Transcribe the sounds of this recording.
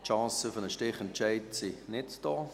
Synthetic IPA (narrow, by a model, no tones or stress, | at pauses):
ʃɑ̃ːsəfənəʃtɪχɛnt͡ʃɛɪtsinɪtd̥ɔː